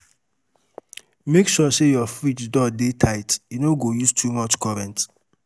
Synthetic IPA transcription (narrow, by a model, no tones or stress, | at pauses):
mekʃɔsejɔfɹit͡ʃdɔdetʰaɪtjunoɡojustʰumɔt͡ʃkɔɹɛ̃nt